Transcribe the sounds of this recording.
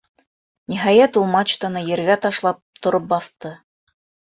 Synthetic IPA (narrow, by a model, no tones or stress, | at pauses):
nʲiɦɑjæt̪ulˠmat͡ɕt̪ŏnɤjɘ̆ɾɡæt̪ɑʃlˠɑp̚t̪ŏɾɤp̚bɑθt̪ɤ